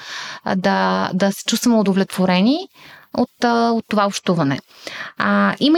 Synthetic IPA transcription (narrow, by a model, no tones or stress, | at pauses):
d̪ɐd̪ɐsɛ̥t͡ʃust̪vəmɛʊd̪ovlɛt̪v̥oɾɛniot̪ot̪ːovaopʃt̪uvɐnɛ̰ | imə